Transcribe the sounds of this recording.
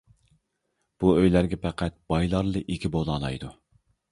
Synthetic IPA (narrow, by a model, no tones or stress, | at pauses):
b̥uøjlæɾɡʲɛpɛqʰæt̪̚b̥ɑjlˠɑɾlˠɨʔikʲʰibolˠɑlˠɑ̰jd̪u